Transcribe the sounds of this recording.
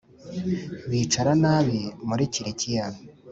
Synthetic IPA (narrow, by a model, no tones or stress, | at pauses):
βiːt͡ʃaɾanaːβimuɾiciɾecijaβi